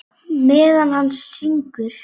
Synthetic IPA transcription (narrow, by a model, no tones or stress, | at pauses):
mɛːðanhanːsːiŋkʏɾ̥